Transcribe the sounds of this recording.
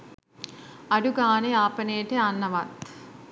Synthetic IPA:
ɐɽuɡaːneaːpɐneːʈeɐnːɐʋɐt̪

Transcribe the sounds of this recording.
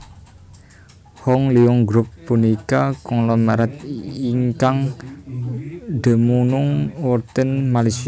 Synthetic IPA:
hɔŋliɔŋɡɾupːunikakɔŋlɔmaɾat̪̚iŋkaŋ | d̪ə̤munʊŋwɔrt̪ənmalis

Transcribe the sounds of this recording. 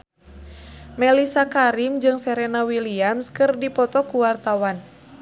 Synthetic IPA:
mɛlisakaɾimd͡ʒɨŋsɛɾɛnawiliamskɨrdipɔt̪ɔkuwart̪awan

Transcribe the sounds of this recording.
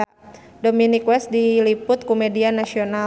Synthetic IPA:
dominikwɛst̪̚dilipʊt̪̚komedianasiona

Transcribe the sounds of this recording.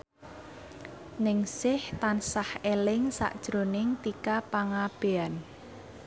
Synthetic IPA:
nɪŋsɪht̪ansahelɪŋsa̰ʔd̥ʒ̥ɾonɪŋt̪ikapaŋab̥ean

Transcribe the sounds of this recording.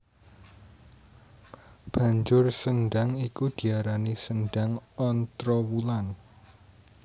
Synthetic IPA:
b̥ä̤ɲd͡ʒʊrsənɖaŋikud̪̥i̤aɾanisənɖaŋɔnt̪ɾɔwulan

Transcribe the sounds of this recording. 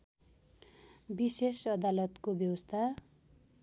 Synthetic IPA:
bisesʌd̪alʌt̪kobjʌwʌst̪ʰa

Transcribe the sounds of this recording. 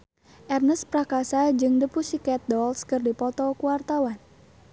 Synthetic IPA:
ʔɛrnəspɾakasad͡ʒɨŋdəpusikɛt̪̚dɔlskɨrdipɔt̪ɔkuwart̪awan

